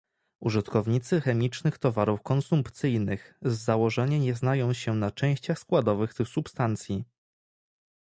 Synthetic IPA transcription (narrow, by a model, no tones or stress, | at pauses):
uʐɨt̪kɔvɲit̪sɘxɛmʲit͡ʂnɘxt̪ɔvaɾufkɔnsumpt̪sɘjnɘxzːawɔʐɛɲɛɲɛznajɔ̃w̃ɕɛnat͡ʂɛ̃w̃ɕt͡ɕaxskwad̪ɔvɘxt̪ɘxsupst̪ant̪sʲji